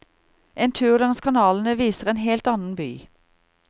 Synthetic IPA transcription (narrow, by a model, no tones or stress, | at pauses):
ʔeːnt̪ʰʉːʁlɑŋskʰɑnɑːln̩əʋiːsəʁeːnheːlt̪ɑnn̩by̰ː